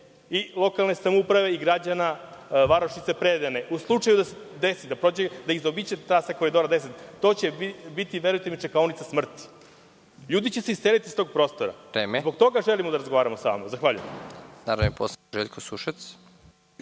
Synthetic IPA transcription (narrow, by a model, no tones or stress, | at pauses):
ilˠo̞kalˠne̞samoupɾaʋe̞iɡɾad͡ʑanaʋaɾoʃit̪se̞pɾed̪eneuslˠut͡ʂajud̪ased̪esid̪apɾo̞d͡ʑed̪aizobit͡ɕet̪ɾaːsakoɾid̪oɾad̪e̞s̬et̪t̪o̞t͡ɕebit̪iʋeɾujt̪emit͡ʃekaonit̪sasmr̩t̪i̥ | ʎuːd̪it͡ɕeseise̞lit̪ist̪o̞ɡ̚pɾo̞ːst̪o̞ɾa̰ɾeːmezbo̞kt̪o̞ɡaʒelimod̪aɾazɡoaːɾamosaa̰mozaxʋaːʎṵjḛmd̪aɾaposʒeʎkosuʃas